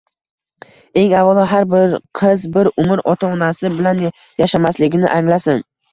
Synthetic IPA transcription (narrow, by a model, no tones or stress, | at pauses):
e̞ŋavɒlˠɒɦaɾbɪɾqʰɨzbɪɾʊmɪɾɒt̪ʰaɒnasɪbɪlan | jaʃamaslɪɡʲɪnɪ̰ʔaŋlasɪn